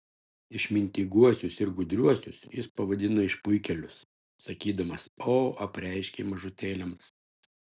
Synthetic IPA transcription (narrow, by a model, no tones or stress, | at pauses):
ɪʃmʲɪnʲt̪ʲiɡuɔsʲʊsɪɾɡʊd̪ʲɾʲuɔsʲʊsjɪspɐʋɐd̪ʲɪnɐɪʃpʊɪkʲɛlʲʊs | sɐkʲiːd̪ɐmɐsoːɐpʲɾʲɛɪʃʲkʲemɐʒʊt̪ʲeːlʲɛms